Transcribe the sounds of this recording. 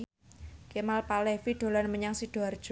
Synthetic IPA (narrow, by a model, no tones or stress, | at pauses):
kemalpalɛfiɖ̪̥o̤lanməɲaŋsid̥ard̥ʒ̥